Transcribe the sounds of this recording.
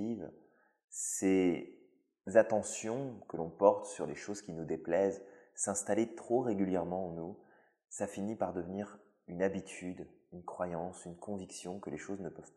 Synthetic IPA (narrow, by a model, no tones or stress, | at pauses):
iv | se | zat̪ɑ̃sjɔ̃kəlɔ̃pɔʁt̪syʁleʃozkʲinud̪eplɛzsɛ̃st̪alet̪χoʁeɡʲyljɛʁmɑ̃ɑ̃nu | safinipaʁd̪əvniʁ | ynabit̪ʰyd̪ynkχwajɑ̃synkɔ̃viksjɔ̃kəleʃoznəpœv